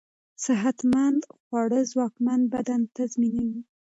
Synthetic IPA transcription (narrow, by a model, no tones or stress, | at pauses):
sɪɦat̪mand̪xwɑɽəzwɑkmand̪̚bad̪ant̪azminawi